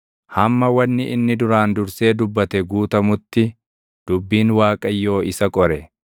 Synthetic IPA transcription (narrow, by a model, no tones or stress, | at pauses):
hɐmːɐwɐnːɪʔɪnːɪd̪ʊɾaːnd̪ʊɾse̞ːd̪ʊbːɐt̪ɛɡuːt̪ɐmʊt̪ːɪ | d̪̥ʊbːiːnwaːkʼɐjːo̞ːɪsɐkʼɔɾɛ